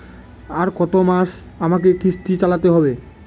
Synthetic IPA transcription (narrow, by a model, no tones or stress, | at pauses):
aɾkɔt̪omaʃ | amakekɾist̪it͡ɕalat̪eɦɔbe